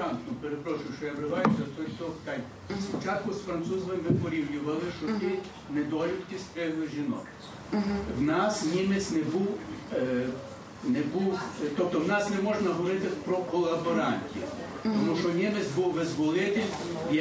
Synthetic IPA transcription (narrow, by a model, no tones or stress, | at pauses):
ɑnt̪nɔpeɾepɾɔʃʊjʃɔjaʋɾɪʋɑjʊsʲɐt̪ɔjt̪ɔt̪ɑj | spɔt͡ʃɑt̪̚kʊsfɾɐnt̪suzʋɪmʋɪpɔɾʲiwnʲʊʋɐlˠɪʃɔt̪ɪ | nɛd̪ɔɾʲʊt̪k̪ʲɪst̪ɾɪlˠɪʒʲinɔ̰k | wnɑsnʲimet͡s̪ʲnɛbuw | nɛbuwt̪ɔp̚t̪ɔwnɑsnɛmɔʒnɐɦɔʋɔɾɪt̪ɪpɾɔkɔlˠɐbɔɾɑnʲtʲi | t̪ɔmuʃɔnʲimet͡sʲbuwʋɪzʋɔlˠɪt̪ɪ